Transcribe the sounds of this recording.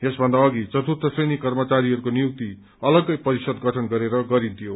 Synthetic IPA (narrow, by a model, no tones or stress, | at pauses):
esbʱʌnd̪aʌɡit͡sʌt̪ut̪ʌsrenikʌrmʌt͡saɾiɦʌɾukonijuk̚t̪i | ʌlʌɡʌjpʌɾisʌd̪ɡʌʈʰʌnɡʌɾeɾʌɡʌɾĩnt̪ʰijo